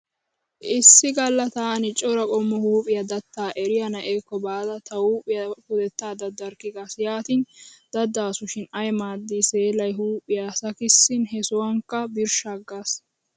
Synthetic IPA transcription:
ʔɪsːɪɡɐlːɐt̪aːnɪt͡ʃʼɔɾɐkʼɔmːɔhuːpʼɪjɐd̪ɐt̪ːaːʔɛɾɪjɐnɐʔeːkːɔbaːd̪ɐt̪ɐhuːpʼɪjɐhʊd̪ɛt̪ːaːd̪ɐd̪ːɐɾkːɪɡaːsjaːt̪ind̪̥ɐd̪ːaːsʊʃɪnɐjmaːd̪ːise̞ːlɐjɦuːpʼːɪjasɐkɪsːɪnɦɛsɔwɐŋkːɐbɪɾʃɐɡːaːs

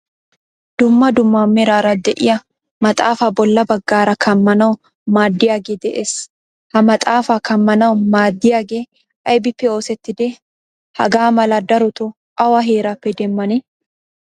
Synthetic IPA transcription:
d̪̥ʊmːɐd̪ʊmːaːmːɛɾaːɾɐd̪ɛʔɪjɐ | mɐt̪ʼaːfabɔlːɐbɐɡːaːɾɐkʰɐmːɐnɐw | maːd̪ːɪjaːɡeːd̪ɛʔeːs | hɐmɐt̪ʼaːfakʰɐmːɐnɐwmaːd̪ːɪjaːɡeː | ʔɐjbɪpːɛo̞ːsɛt̪ːɪd̪ɛ | hɐ̰ɡaːmɐlɐd̪ɐɾɔt̪ʊ | ʔɐwɐɦeːɾɐpːɛd̪ɛmːɐnɛ

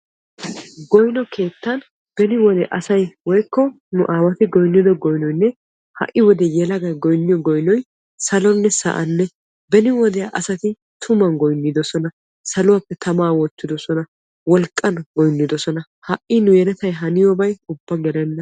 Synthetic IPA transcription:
ɡɔjnɔkʰe̞ːt̪ːɐn | b̥ɛnɪwɔd̪ɛʔɐsɐjwɔjkːɔ | nʊʔaːwɐt̪ɪɡɔjnːɪd̪ɔɡɔjnɔjnːɛ | hɐ̰ʔɪwɔd̪ɛjɛlɐɡɐjɡɔjnːɪjɔɡɔjnɔj | sɐlɔnːɛsɐ̰ʔɐnːɛ | bɛnɪwɔd̪ɛjɐʔɐsɐt̪ɪ | t̪ʰʊmɐnɡɔjnːɪd̪ɔsɔnɐ | sɐlʊwapːɛt̪ʰɐmaːwɔt̪ːɪd̪ɔsɔnɐ | wɔlkʼːɐnɡɔjnːɪd̪ɔsɔnɐ | hɐʔʔɪnʊjɛɾɛt̪ɐjɦɐnɪjɔbɐjʊbːɐɡɛlɛnːɐ

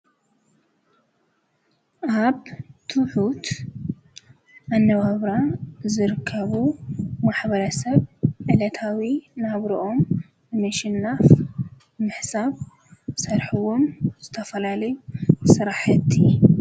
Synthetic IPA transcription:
ʔaβt̪ʰuħut̪ | ʔanːɐβaβɾazɨɾɨkʰːɐβumaħβɐɾɐsɐβʕɨlɐt̪ʰawinaβɾiʔo̞m | ɨmɐʃɪnːaf | mɨħsaβ | sɐɾħuwomz̥ɨt̪ʰɐfɐlalɐjusɨɾaħɨt̪ʰːi

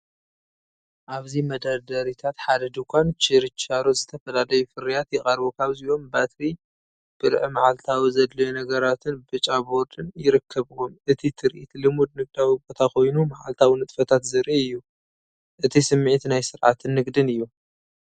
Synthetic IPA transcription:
ʔaβzimɐd̪aɾd̪ɐɾit̪ʰat̪ħad̪ɐd̪ukʰʷant͡ʃɨɾɨt͡ʃːaɾozɨt̪ʰɐfɐlalɐjufɨɾijat̪jɪχʼɐɾbokʰaβziʔo̞mbat̪ʰɾi | b̥ɨɾʕmaʕalt̪ʰawizɐd̪lɐjonɐɡɐɾat̪ʰɨnbɨt͡ʃʼabo̞ɾd̪ɨnjɪɾɨkʰːɐβɨwomʔɨt̪ʰit̪ʰɨɾʔit̪ʰlɨmud̪̚nɨɡ̚d̪awibo̞t̪ʰakʰo̞jnumaʕa̰lt̪ʰawinɨt̪ʼfɐt̪ʰat̪zɨɾʔiɨjːu | ʔɨt̪ʰisɨmːʕit̪najsɨɾʕa̰t̪ʰɨnːɨɡd̪ɨnɨjːu

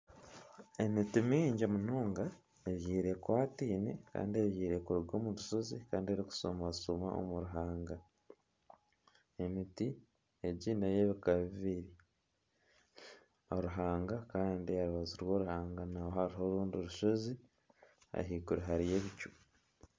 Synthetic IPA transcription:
e̞mitimiːɲɟemunoːŋɡa | eβjiːɾe̞kwaːtiːnḛka̰ːndieβjiːɾe̞kuɾuɡoːmuɾuʃo̞zikaːndieɾiku̥so̰mausoma̰o̰muɾuɦaːŋɡa | e̞miti | eɟiːneje̞βikaβiβiɾi | oɾuɦaːŋɡakaːndiaɾuβaziɾwo̞ːɾuhaːŋɡanawohaɾiɦo̞ɾuːnduɾuʃo̞zi | a̰ɦikuɾiɦaɾije̞βicu̥

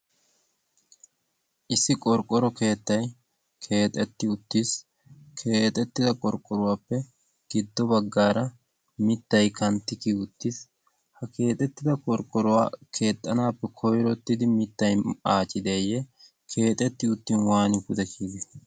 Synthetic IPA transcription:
ʔɪsːɪkʼɔɾkʼːɔɾɔke̞ːt̪ːɐj | kʰe̞ːt̪ʼɛt̪ːɪʊt̪ːis | kʰe̞ːt̪ʼɛt̪ːɪd̪ɐkʼɔɾkʼːɔɾʊwaːpːɛ | ɡ̥ɪd̪ːɔbɐɡːaːɾɐ | mɪt̪ːɐjkɐnt̪ːɪkiːʊt̪ːɪs | hɐke̞ːt̪ʼɛt̪ːɪd̪ɐkʼɔɾkʼːɔɾʊwa̰ːkʰe̞ːt̪ʼːɐnaːpːɛkʰɔjɾɔt̪ːɪd̪ɪmɪt̪ːɐjaːt͡ʃʼːɪd̪eːjɛ | kʰe̞ːt̪ʼɛt̪ːɪʊt̪ːiːnwaːnɪɡʊd̪ɛkʰiːɡɪ

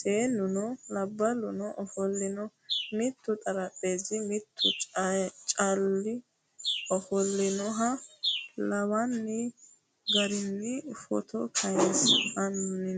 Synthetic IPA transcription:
sʼeːnʊnɔlɐbːɐlʊnɔʔɔfɔlːɪnɔ | mɪt̪ːʊt̪ʼɐɾɐpʼːeːzɪmɪt̪ʰːʊ | t͡ʃʼɐlːɪ | ɔfɔlːɪnɔɦɐ | lɐwɐnːɪ | ɡɐɾɪnːɪfɔ̰t̪ʰɔ̰kʰɐjesɐnnɪn

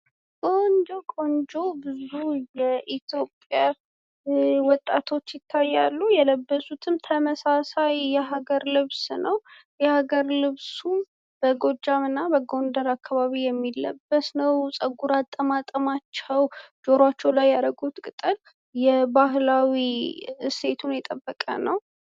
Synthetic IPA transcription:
ɡo̞nd͡ʒokʼo̞nd͡ʒo̞bɨzujɛʔit̪ʰjo̞pʼja | wɔt̪ʼːat̪ʰo̞t͡ʃːjɪt̪ʰːajːalːujɛləbːəsut̪ʰɨmt̪ʰəməsasajjɛɦaɡəɾlɨβsnəw | jɛhaɡəɾlɨβsu | b̥əɡo̞d͡ʒamɨnːabəɡo̞ndəɾakʰːaβaβijɛmːilːə̰bːəsnəwsʼəɡuɾat̪ʼːəmat̪ʼəmat͡ʃːɛwd͡ʒo̞ɾat͡ʃːɛwlajːaɾəɡut̪kʼɨt̪ʼɨl | jɛbaɦlawise̞t̪ʰunjɛt̪ʼəbːəkʼə̰nəw

